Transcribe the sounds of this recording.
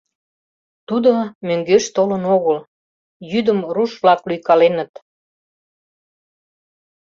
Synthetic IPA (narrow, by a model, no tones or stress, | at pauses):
t̪ud̪omøŋɡøʃt̪olənoɣəl | jyd̪əmruʃβlɑklyjkɑlenət̪